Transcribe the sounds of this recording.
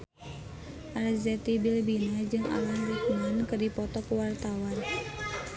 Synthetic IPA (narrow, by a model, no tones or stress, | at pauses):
ʔalzɛt̪ibilbinad͡ʒɨŋʔa̰lanrikmankɨrdipɔt̪ɔkuwart̪awan